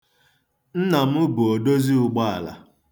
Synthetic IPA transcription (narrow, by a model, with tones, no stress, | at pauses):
n̩˦na˨mʊ˦bʊ˨o˨do˦zi˦ʊ˨ɡ͡ba˦a̰˨la̰˨